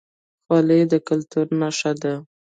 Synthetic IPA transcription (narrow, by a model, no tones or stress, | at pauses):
xwɑled̪əkalt̪uɾnaʃad̪a